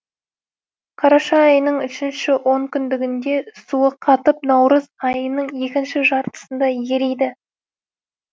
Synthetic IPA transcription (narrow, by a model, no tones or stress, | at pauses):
qʰɑɾɑʃɑɑjənəɴʏʃɪnʃɪwo̞ɴkʲʰʏnd̪ɪɡʲɪnd̪e̞suəqʰɑt̪əp̚nɑwɾəzɑjənəɴje̞kʲɪnʃɪʒɑɾt̪ə̥sənd̪ɑje̞ɾejd̪ɪ